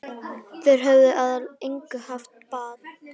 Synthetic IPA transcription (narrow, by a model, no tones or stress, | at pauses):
θɛɾ̥ɦœvðɪʔaðalejŋkʏhaft̪̚paːð